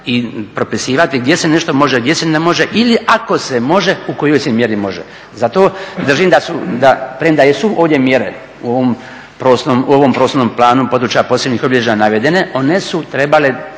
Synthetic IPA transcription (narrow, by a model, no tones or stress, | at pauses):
ipɾo̞pisiːʋat̪iɡd̪je̞seneʃt̪o̞mo̞ʒeɡd̪jesenemo̞ʒe̞ʔiliʔako̞semo̞ʒe̞ukojo̞jsemje̞ɾimo̞ʒḛ | zat̪o̞ːd̪r̩ʒimd̪asud̪apɾemd̪ajesuʔoːʋd̪ʲje̞mjeɾḛ | uoʋom | pɾoːsnomuoʋo̞mpɾosonoːmplˠaːnumpo̞d̪ɾut͡ʃajapo̞ːsebnɲixobilʲed͡ʒenanaʋed̪e̞neʔo̞ne̞sut̪ɾe̞bale